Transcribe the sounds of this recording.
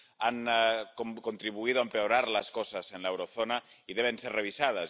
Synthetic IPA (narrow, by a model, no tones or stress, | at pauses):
ankokont̪ɾiβuiðoaempeoɾaɾləskɔsazenlaewɾoθonaiðeβenserreβ̞isað̞əs